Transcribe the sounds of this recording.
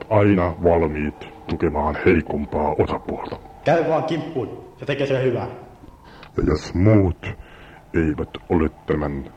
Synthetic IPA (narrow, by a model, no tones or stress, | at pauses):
t̪ɑinɑʋɑlmiːt̪t̪ukemɑːnheikompɑːosɑpuolt̪ɑ̥kæyʋɑːŋkimpːuiset̪ekeːseehyʋæˑ | jɑ̰josmuːt̪ | eiʋæt̪olet̪t̪æmænː